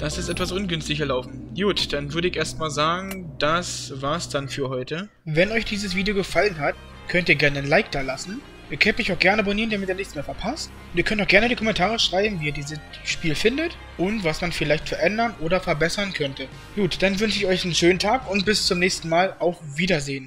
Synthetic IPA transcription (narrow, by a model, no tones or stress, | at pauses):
d̥asɪstʔɛtv̥asʔʊnɡʏnstɪçɐlaʊfn̩ | juːtd̥anvʏɐɾəɪçʔeːɐstmaːlzaːɡŋ̩d̥asvaːɐsd̥anfyːɐhɔʏtə | vɛnɔʏçd̥iːzəsv̥iːdijoɡəfalənɦat | kʰœntiːɐɡɛɐnəənlaɪk̚d̥aːɐlasn̩ | iːɐkʰœntmɪçaʊxɡ̥ɛɐnəaboniːʁəndamɪtiːɐnɪçt͡smeːɐfɛɐpʰastʔʊntiːɐkʰœntaʊxɡɛɐnədiːkʰɔmɛntʰaːʁəʃʁ̥aɪbm̩viːɐdiːzə | ʃpiːlfɪndət | ʔʊntv̥asmanfɪlaɪçtfɛɐʔɛndɐnʔoːɾɐfɛɐbɛsɐnkʰœntʰə | ɡ̥uːtd̥anvʏnʃəɪçɔʏçn̩ʃøːn̩tʰaːkʊnt̚b̥ɪst͡sʊmnɛːçstn̩maːlaʊxviːdɐzeːən